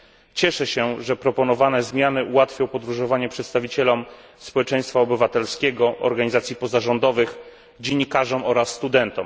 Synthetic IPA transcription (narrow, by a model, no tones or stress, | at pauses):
t͡ɕɛʂɛɕɛʐɛpɾɔpɔnɔvanɛzmʲjanɘʔuwat̪fʲjɔ̃w̃pɔd̪ɾuʐɔvaɲɛpʂɛt̪st̪avʲit͡ɕɛlɔm | spɔwɛt͡ʂɛj̃st̪faɔbɘvat̪ɛlskʲɛɡɔɔ̰ɾɡaɲizat̪sʲjipɔzaʐɔnd̪ɔvɘx | d͡ʑeɲːikaʐɔmɔɾasːt̪ud̪ɛnt̪ɔm